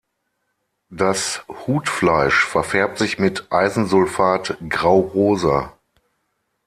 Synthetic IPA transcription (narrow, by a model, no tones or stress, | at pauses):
d̥ashuːtflaɪʃfɛɐfɛɐp̚tz̥ɪçmɪtʔaɪzn̩zʊlfaːtɡʁaʊʁoːza̰